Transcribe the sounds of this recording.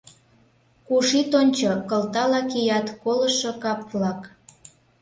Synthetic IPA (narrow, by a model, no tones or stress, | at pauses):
kuʃit̪onʲt͡ɕokəlt̪ɑlɑkijɑt̪kolə̆ʃokɑplɑk